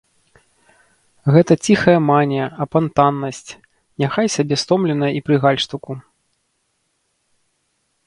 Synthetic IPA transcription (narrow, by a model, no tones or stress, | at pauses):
ɣɛt̪ɐt͡sʲixɐjɐmanʲɛɐpant̪anːɐsʲt͡sʲ | nʲaxajsʲabʲɛst̪ɔmlʲɛnɐjɐipɾɨɣalʲʂt̪uku